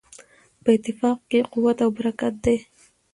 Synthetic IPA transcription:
pəɪt̪ːɪfɑqkeqʊwat̪awbaɾakat̪̚d̪e

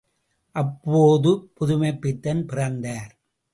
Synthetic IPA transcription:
ʔɐpːoːðɯpʊðʊmɐɪpːɪt̪ːɐnpɪrɐnd̪aːɾ

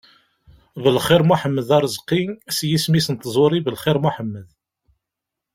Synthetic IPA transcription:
ðəlχɪɾmuħəmːəðɑɾˤəzˤqinsjismisənt̪ːzˤʊɾˤibəlχɪɾmuħəmːəð

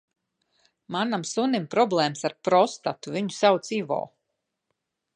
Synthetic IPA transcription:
manamsunimpɾɔblˠɛːmsaɾpɾɔst̪at̪uvʲiɲusawt̪siːvɔ̰ː

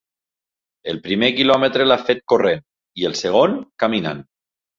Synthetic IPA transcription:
elˠpɾimekilɔmet̪ɾelafet̪̚koren | ielˠseɣ̞onkamina̰n

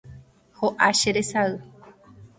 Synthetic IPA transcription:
hoʔaʃeɾesaɨ

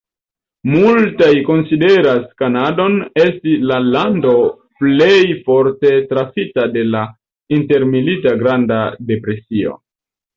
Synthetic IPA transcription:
multajko̞nside̞ɾaskanado̞ne̞stislalando̞ | plejfo̞ɾte̞tɾasitade̞la | inte̞ɾmilitaɡɾandade̞pɾe̞sio̞̰

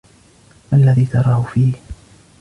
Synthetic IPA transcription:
ʔalːaðiːt̪ɑɾˤɑːhʊfiːh

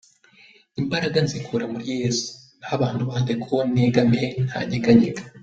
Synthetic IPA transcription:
imbaɾaɡanzikʰuɾamuɾije̞ːsu̥ | nhaβaːnduβaːndekʰuneɡamen̥ha̰ːɲeɡaɲeɡa

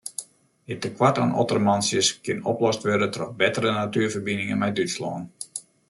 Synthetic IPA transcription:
ɪtəkwatanɔ̰tərəmɑnsjəskɪnɔ̰plɔstʋørdətrɔtbɛtərənatyərfərbinɪŋəmɛjdyslɔ̰ːn

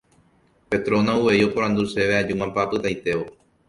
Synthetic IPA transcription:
pe̞t̪ɾo̞nãuʋe̞jo̞poɾ̃ãnd̪use̞ʋead͡ʒumãmpapɨt̪ajt̪e̞ʋo

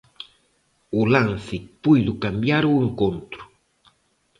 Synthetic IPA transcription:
ulansɪpujðʊkambjaɾueŋkont̪ɾʊ̥

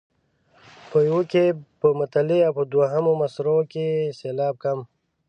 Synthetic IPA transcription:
pəjwukepəmət̪aliawpəd̪waɦamomasɾokeseːlaːb̚kam

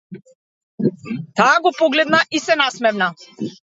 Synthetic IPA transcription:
t̪aːɡɔpɔɡlɛd̪naʔisɛnasmɛvna

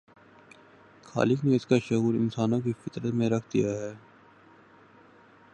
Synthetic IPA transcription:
xa̰ːlɪkneɪskaʃʊɦuːɾɪ̰̃nsaːnõk̬ifɪt̪ɾət̪mẽɾɐkʰd̪ijaɦɛː

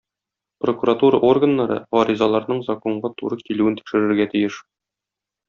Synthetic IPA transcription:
prokuɾat̪uɾɑʔo̞rɡə̆nːɑɾɤ̰ɒɾizɑlˠɑɾnɤɴzɐko̞ɴɢɑt̪uɾɤkiluɘnt̪i̥kʃɘ̆ɾɘ̆ɾɡæt̪ɘ̆jɘʃ

